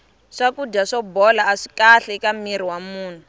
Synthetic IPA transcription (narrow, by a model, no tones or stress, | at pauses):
ʂakudaʂɔbɔlaːʂi̥kaɬɛkamir̤iwamuːn̤u